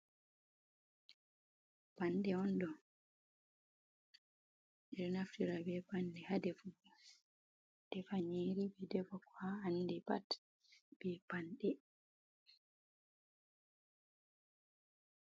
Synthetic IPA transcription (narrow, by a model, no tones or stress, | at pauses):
panɗɛɔndɔ | dɛɾnaftiɾabɛpanɗɛhadɛfu | d̥ɛfaɲiɾibɛdɛbɔkwaandɛpa̰t | b̥ɛpanɗɛ